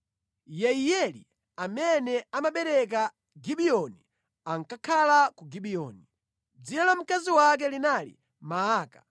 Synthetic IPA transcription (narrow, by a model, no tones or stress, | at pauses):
jɛijɛlḭ | amɛnɛamaɓɛɾɛk̬a | ɡiɓiɔni | aŋkakʰalakuɡiɓiɔ̰ni | d͡zinalam̩kaziwak̬ɛlinalḭ | maaːkḁ